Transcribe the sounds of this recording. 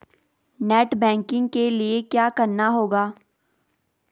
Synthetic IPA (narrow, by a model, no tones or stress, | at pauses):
nɛːʈbɛ̃ːŋkɪ̃ŋɡ̚keliekjaːkɐɾnaɦoːɡaː